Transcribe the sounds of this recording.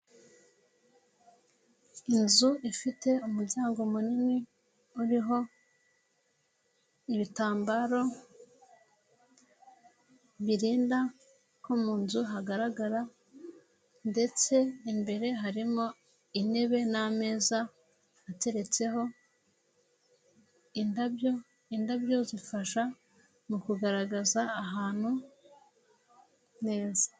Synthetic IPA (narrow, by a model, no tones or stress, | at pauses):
inzuʔifite̞umuɾɟaːŋɡo̞munimi | uɾiɦo̞ | iβitaːmbaɾo̞ | βiɾiːnda | komuːnzuɦaɡaɾaɡaɾa | nde̞t͡se̞imbe̞ɾe̞ɦaɾimo̞ | ine̞βe̞name̞ːzaː | te̞ɾe̞t͡se̞ɦo̞ | indabjo | indabjo̞zifaʃa | mukuɡaɾaɡazaːɦaːn̥hu | ne̞ːzḁ